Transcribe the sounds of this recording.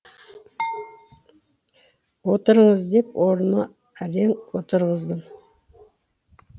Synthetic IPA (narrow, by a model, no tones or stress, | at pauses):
wot̪əɾəɴəzd̪e̞pwʔoɾənə | æɾeŋot̪əɾʁəzd̪əɴ